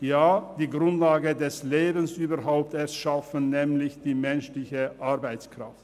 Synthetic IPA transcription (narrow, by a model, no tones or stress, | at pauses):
jaːd̥iːɡʁʊntlaːɡədɛsleːbən̩sʔyːbɐɾɦaʊp̚tɛɾsʃafənnɛːmlɪçd̥iːmɛnʃlɪçəʔaɐbaɪt͡skʁ̥a̰ft